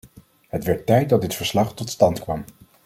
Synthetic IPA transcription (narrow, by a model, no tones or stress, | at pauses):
ɦətʋɛɹtːɛjt̚dɑt̚dɪtfəɹslɑχtɔtstɑntkʋɑm